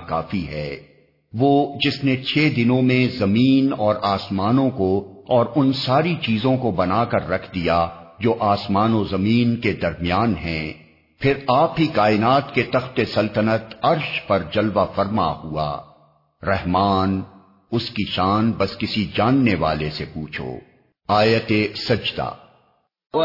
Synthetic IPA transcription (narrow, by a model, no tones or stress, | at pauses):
kaːfiɦɛː | ʋoːd͡ʒɪsnet͡ʃʰeːd̪ɪnõmẽzɐmiːnɔːɾaːsmaːnõkoɔːɾʊnsaːɾit͡ʃiːzõkobɐnaːkɐɾːɐkʰd̪ijad͡ʒoːʔaːsmaːnozɐmiːnked̪ɐɾmijaːnɦɛ̃ | pʰɪɾaːpɦikaːɪnaːt̪ket̪ɐxt̪esɐlt̪ənət̪ɐɾʃpɐɾd͡ʒɐlʋafɐɾma̰hua̰ː | ɾɛɦmaːn | ʊskiʃaːnbɐskɪsid͡ʒaːnːeʋa̰ːlesepuːt͡ʃʰo̰ː | aːjət̪esɐd͡ʒd̪a̰ː